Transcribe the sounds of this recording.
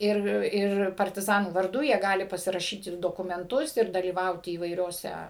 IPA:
ˈɪr ˈɪr pɐrʲtʲɪˈzɑːnuː ʋɐrˈdʊ jiɛ ˈɡɑːlʲɪ pɐsʲɪrɐˈʃʲiːtʲɪ doːkʊmʲɛnˈtʊs ɪr dɐlʲiːˈʋɐʊtʲɪ iːʋɐɪˈrʲoːsʲɛ

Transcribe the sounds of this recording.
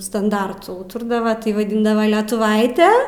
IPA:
stɐnˈdɐrtʊ ˈuːtʊrdɐʋɐ tɐɪ ʋɐˈdʲɪndɐʋɐ lʲɛtʊˈʋɐɪtʲɛ

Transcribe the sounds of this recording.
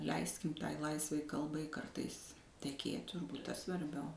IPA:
ˈlʲɛɪsʲkʲɪm ˈtɐɪ ˈlˠɐɪsʋɐɪ ˈkɐlˠbɐɪ ˈkɐrtɐɪs tʲɛˈkʲeːt tʊrˈbuːt ˈtɐs sʋɐrʲˈbʲɛʊ

